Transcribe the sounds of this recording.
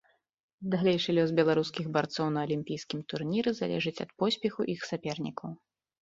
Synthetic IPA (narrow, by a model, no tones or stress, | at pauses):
d̪alʲɛjʂɨlʲɔzbʲɛlˠaɾuskʲiɣbart̪sɔwnɐɐlʲimʲpʲijskʲimt̪urnʲiɾɨza̰lʲɛ̰ʐɨt͡sʲɐ̰t̪pɔsʲpʲɛxuʔixsapʲɛrnʲḭkʰɐw